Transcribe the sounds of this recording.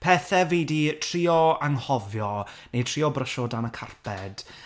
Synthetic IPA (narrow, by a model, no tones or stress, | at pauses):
pʰɛːθɛveːditʰriːɔaŋhɔvjɔnejtʰr̥iːɔbrəʃɔdanəkʰarpʰɛd̥